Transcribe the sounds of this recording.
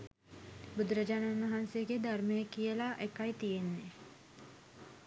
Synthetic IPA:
bud̪ɾəd͡ʒaːnanʋɐɦansejəɡed̪aɾməjəkijəlaʔekajt̪ijenːe

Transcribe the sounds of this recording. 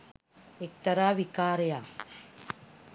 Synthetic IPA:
ek̚t̪ɐɾaːʋikaːɾɐjaː

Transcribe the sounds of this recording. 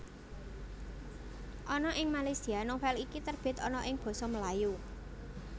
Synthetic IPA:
ʔɔnɔʔɪŋmalajsianɔŋfɛlikit̪ərb̥ɪ̤t̪ɔnɔʔɪŋb̥ɔ̤sɔməlaju

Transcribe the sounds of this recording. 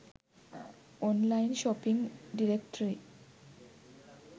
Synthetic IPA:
ɔnlajnʃɔpiŋɖiɾekʈɾi

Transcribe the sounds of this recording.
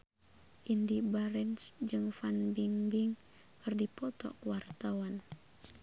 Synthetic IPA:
ʔindibaɾɛnsd͡ʒɨŋfanbiŋbiŋ | kɨrdipɔt̪ɔ̰kuwart̪awan

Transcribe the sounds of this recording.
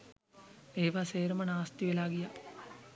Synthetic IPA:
eːʋaseːɾəmənaːst̪iʋelaːɡija

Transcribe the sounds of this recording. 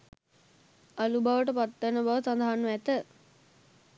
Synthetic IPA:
alubaʋəʈ̬əpat̪ːənəbaʋəsand̪aɦanːuæt̪ə

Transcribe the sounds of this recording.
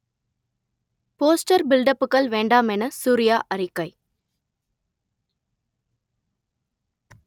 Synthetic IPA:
poːsʈɐɾbɪlɖɐpːɯkːɐɭʋeːɳɖaːmɛnɐsuːɾɪjaːʔɐɾɪkːɐɪ

